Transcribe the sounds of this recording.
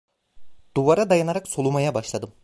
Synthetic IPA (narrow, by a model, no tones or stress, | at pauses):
d̪̥uvaɾad̪ajanaɾaksolˠumajabaʃlˠad̪ɯm